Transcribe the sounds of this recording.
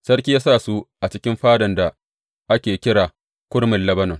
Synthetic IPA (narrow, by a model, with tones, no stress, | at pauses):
sɐ˦ɽkʲiː˦jaː˦saː˦˨su˦ʔa˨t͡ʃɪ˦kʲɪ˦mɸaː˦dɐ˨nda˨ | ʔa˦kʲeː˨kʲɪ˦ɽaː˨ | kʷʊ˦ɽmɪ˨nlɐ˦bɐ˦nɔ˨ŋ